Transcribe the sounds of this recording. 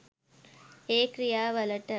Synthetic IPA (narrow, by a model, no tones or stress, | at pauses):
eːkɾijaːʋɐlɐʈːɐ